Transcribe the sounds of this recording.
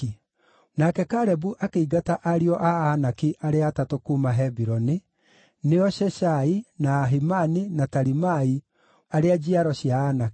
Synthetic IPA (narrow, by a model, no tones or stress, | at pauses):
nakɛkaɾɛbuʔakeiɡataʔaɾiɔʔaanakiʔaɾeatatokumaɦɛbiɾɔni | neɔʃɛʃainaːɦimaninataɾimai | aɾead͡ʒiaɾɔɕjaːnaki